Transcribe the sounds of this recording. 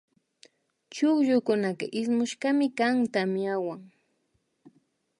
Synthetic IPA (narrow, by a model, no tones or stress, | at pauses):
t͡ʃʊkʎʊkʊnakaʔɪsmʊʃɢamɪkaŋt̪amɪawaŋ